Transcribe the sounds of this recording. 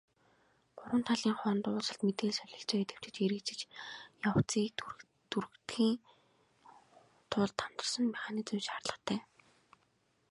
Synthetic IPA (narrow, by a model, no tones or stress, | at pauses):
ɢ̥ʊɾwə̆nt̪ʰaɮiːŋχɔːnt̪ʊːɮsə̆ɬt̪met̪eːɮsœɮʲɪ̆ɬt͡ɕœːkːt̪ʰe̥w̥t͡ɕɘ̆t͡ɕeɾɘ̆kt͡ɕɪ̆t͡ɕjaw̥t͡siːk | t̪ʰur̆kt̪xiːŋ | t̪ʰʊɮt̪ʰːam̥t̪ə̆r̥sə̆nmiχaːniːt͡sə̆mʃarɮə̆χt̪ʰæː